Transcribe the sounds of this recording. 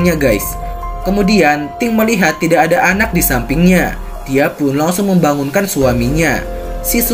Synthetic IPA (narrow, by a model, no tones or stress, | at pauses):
ɲaɡajs | kəmudiant̪ɪŋməliɦat̪ːidaːdaʔanak̚disampɪŋɲa | d̥iapʊnlaŋsʊŋməmbaŋunkansuamiɲa | sis